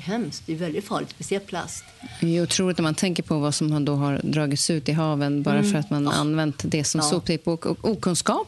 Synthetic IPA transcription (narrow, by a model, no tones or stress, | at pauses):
ɦɛmst̪̚d̪ɛvɛld̪ɪt̪fɑːɭɪɡ̪spɛsɪɛlpʰla̰st̪ɛjʊt̪ʰɾuːlɪt̪nɛɾmant̪ʰɛŋkəɾpʰɔvasɔmhand̪ɔɦaɾd̪ɾɑːɡɪt̪sʉ̟ːt̪ɪɦɑːvənbɑːɾafœɾat̪mana̰nːvɛnt̪d̪ɛsɔmsuːpt̪ʰɪpːɔkɔ̰kuːkʰɵnskɑːp